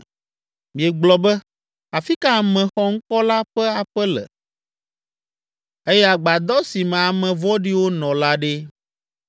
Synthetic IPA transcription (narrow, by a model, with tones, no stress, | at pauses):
mĩ˨ɛ˨ɡ͡blɔ˨bɛ˦ | a˨fi˦ka˦˨mɛ̃˨xɔ˦ŋ̩˦kɔ˦la˦ɸɛ˦a˨ɸɛ˦lɛ̰˨ | e˦jɛ˦a˨ɡ͡ba˨d̪ɔ˦si˨mɛ̃˨a˨mɛ̃˨vɔ˦ɖi˦wo˦nɔ̃˨la˦ɖe˦